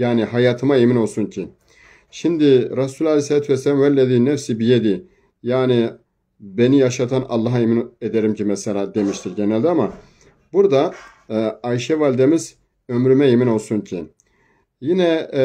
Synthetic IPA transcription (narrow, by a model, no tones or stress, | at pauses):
jaːniɦajaːt̪ʰɯmaemino̞lˠsuncʰi | ʃimd̪iɾasulʲalʲejsaat̪vɛselamvælʲːed̪iːnɛfsibijed̪i | jaːni | be̞nijaʃat̪ʰanɑ̰lˠːɑɦemined̪eɾimcʰimɛselʲaːd̪e̞miʃt̪ʰiɾɟenɛlʲd̪iama | buɾd̪a | aiʃɛvalʲd̪e̞miz | ø̞mɾymɛemino̞lˠsuncʰi | jinɛ